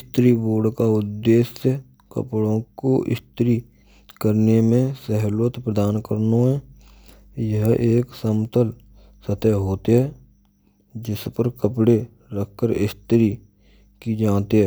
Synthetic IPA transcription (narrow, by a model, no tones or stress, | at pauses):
ɪst̪ɾiboːɾɖkaʊd̪ːeːsə | kə̰pɽõkoʔɪ̰st̪ɾi | kəɾnemẽsəɦlwət̪pɾəd̪aːnkəɾnoɦɛ̃ | jəɦʔeːksəmt̪əl | sət̪əɦoːt̪eɦɛː | d͡ʒɪspəɾkəpɽe | ɾəkʰkəɾɪst̪ɾi | kid͡ʒãːt̪eɦɛː